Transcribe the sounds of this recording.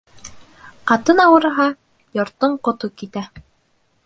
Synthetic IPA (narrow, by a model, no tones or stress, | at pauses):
qɑt̪ɤnɑwɤ̆ɾɦɑ | jŏɾt̪ːoɴqŏt̪ukit̪æ